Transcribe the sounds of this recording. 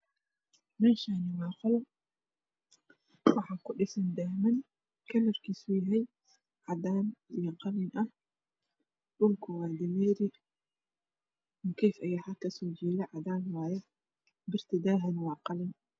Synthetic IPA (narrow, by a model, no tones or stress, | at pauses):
mɛːnʃaːnɪwɑːqʊlɐ | wɑħɑːkʊɖɪsɐnd̪aːhmɐn | kʰɐlɐrkʰiːsʊjɐɦɛj | ʕɑd̪aːnɪjɐqɑlɪnʔɐh | ɗʊlkʰʊwɑːd̪ɪmɛːɾɪ | kʰɛːfɐjaːħakʰɐsɔːd͡ʒiːlɛʕɑd̪aːnwɑːjɛ | bɪrt̪ʰɪd̪aːɦɐnwɑːqɑlɪn